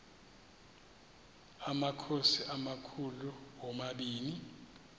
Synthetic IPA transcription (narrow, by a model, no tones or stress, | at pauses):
amakʰosiʔamakʰuluwɔmaɓiːni